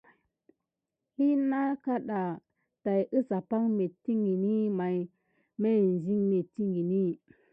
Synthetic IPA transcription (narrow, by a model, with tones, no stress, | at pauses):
hi˦na˦ka˦ɗa˨ | ta˨jʔə˦sa˨pa˦ŋme˨tːi˦ŋɡi˨ni˦ma˨j | me˦˨n˨zi˦ŋme˨tːi˦ŋɡi˨ni˦